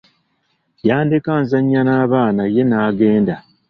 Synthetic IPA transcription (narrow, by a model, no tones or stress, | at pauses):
jaːndekaːnzaɲːanaːβaːnaje̞naːɡe̞ːnda